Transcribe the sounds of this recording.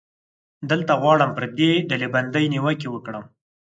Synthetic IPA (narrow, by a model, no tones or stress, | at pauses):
d̪əlt̪aɣwɑɽəmpəɾd̪eɖaleband̪əjniwəkewəkɽəm